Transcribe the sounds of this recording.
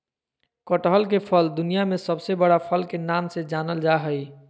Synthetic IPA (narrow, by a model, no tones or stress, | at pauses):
kəʈɦəlk̬epʰəld̪unijamesəbsebəɽapʰəlkenamsed͡ʒanəld͡ʒaɦəj